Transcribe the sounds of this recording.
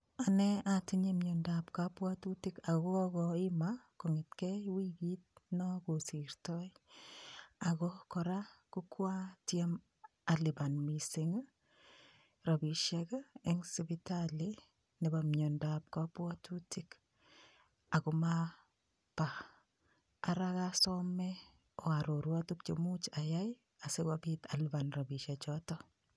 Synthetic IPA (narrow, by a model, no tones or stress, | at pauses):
anɛatiɲemjondapkapwatutikakɔɡɔɪmakoŋɪtkɛjwiɡit̚nɔkosiɾtɔj | aɡɔkɔɾakukwatjem | alibanmisiŋ | ɾabiʃɛkaɛŋsibitali | nɛbamɲondap̚kapwɔtʰutik | akuma | pa | ɾakasɔmɛ | ɔaɾoɾwatuk̚t͡ʃemut͡ʃajaj | asekabitalibanrabiʃat͡ʃɔtɔ